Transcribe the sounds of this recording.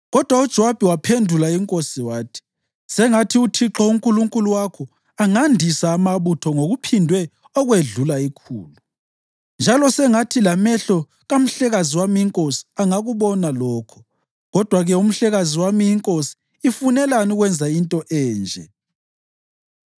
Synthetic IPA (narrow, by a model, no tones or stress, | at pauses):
ɣɔd̥ʱwaud̥ʒ̥ʱɔwab̥ʱiwapʰendʱulaiŋkʼosiwaːtʰi̥ | sɛŋatʰiutʰiǁɔuŋkʼuluŋkʼuluwakʰɔ | aŋandʱisaːmaβutʰɔŋoɣupʰindʱwɛ | ɔɣweɮulaikʰṵːlu | nd͡ʒʱalɔsɛŋatʰilamɛɬɔ | ɣam̩ɬɛɣaziwamiiŋkʼosi̥aŋaɣuβɔnalɔːkʰɔ̥ | ɣɔd̥ʱwaɣɛum̩ɬɛɣaziwamiiŋkʼosi̥ː | funɛlanuɣwɛnd͡zʱaintʼɔʔɛːnd͡ʒʱɛ